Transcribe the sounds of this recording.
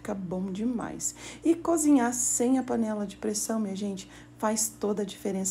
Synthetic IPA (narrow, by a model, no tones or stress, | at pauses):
kɐbõw̃d͡ʒɪma̰jsɪkozĩɲaɾsẽj̃ɐpɐnɛlɐd͡ʒɪpɾesɐ̃w̃miɐʒẽnt͡ʃɪ̥ | fajst̪od̪ɐd͡ʒifeɾẽs